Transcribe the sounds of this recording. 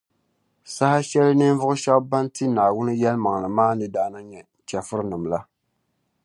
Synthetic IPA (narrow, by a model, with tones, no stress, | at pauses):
sa˦ha˦ʃɛ˦lɨ˦nɨ˦nvʊ˦ʊ˦ʃɛ˦bba˦nti˦naː˨wʊ˦nɨ˦jɛ˦lma˨ŋ˨lɨ˨maː˦nɨ˦daː˦na˦ɲɛ˨ | t͡ʃɛ˨fɨ˦ɾɨ˦nɨ˨mla˦